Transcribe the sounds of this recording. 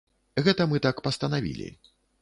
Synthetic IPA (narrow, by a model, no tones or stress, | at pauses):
ɣɛt̪ɐmɨt̪akpɐst̪ɐnavʲḭlʲḭ